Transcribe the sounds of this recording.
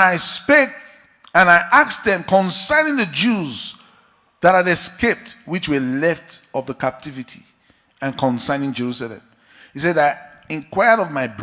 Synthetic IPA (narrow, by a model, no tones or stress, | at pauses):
aɪspek̚ | ə̃naɪʔaksðɛ̃mkʰɔ̃nsãɪnɪ̃ŋðəd͡ʒuz | ðaɾaɾɛskep̚twit͡ʃwəlɛftɔvðəkap̚tʰivitʰi | ə̃nkʰɔ̃nsãnɪ̃ŋd͡ʒɛɹusalɛ̰̃m | hisɛdaɪɛ̃nkʰw̥aɪəɾɔvmaɪb